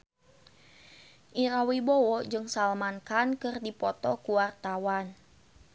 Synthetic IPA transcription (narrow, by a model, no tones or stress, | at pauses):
ʔiɾawibɔwɔd͡ʒɨŋsalmankankɨrdipɔt̪ɔkuwart̪awan